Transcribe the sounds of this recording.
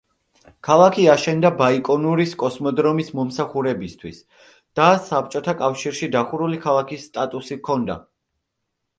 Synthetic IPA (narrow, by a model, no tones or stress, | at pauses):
kʰalˠakʰiaʃɛnd̪abaikʼɔnuɾiskʼɔsmɔd̪ɾɔmismɔmsaχuɾɛbist̪ʰwis | d̪̥asap̚t͡ʃʼɔt̪ʰakʼafʃiɾʃid̪aχuɾulikʰalˠakʰisːt̪ʼat̪ʼusikʰɔnd̪a̰